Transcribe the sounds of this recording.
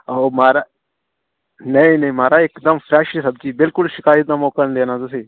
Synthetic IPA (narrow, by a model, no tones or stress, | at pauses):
aomaːɾa | nɐĩnɐĩmaːɾaɪkd̪əmfɾɛːʃesɐb̚d͡ʒiːbɪlkʊlʃɪkaːjət̪naːmoːkənd̪eːnazʊseː